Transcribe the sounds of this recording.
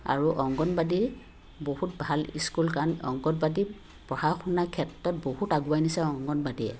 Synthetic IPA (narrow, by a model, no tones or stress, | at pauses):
a̰ɹuʔɔŋɡɔnbadi | bohutbʱalḭskulkanɔ̰ŋɡɔnbadi | pɹɔhaxʰunakʰɛtɹɔt̚bohutaɡuajnisɛɔŋɡɔnbadiɛ̰